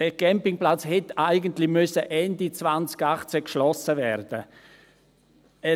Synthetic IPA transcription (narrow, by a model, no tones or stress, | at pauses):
d̥ɛɡ̥ɛmpɪŋplat͡shɛtaɪɡəntlɪmʏsəʔɛndit͡svant͡sɡaχt͡sɛkʃlɔsəvɛɾd̥ə | ɛ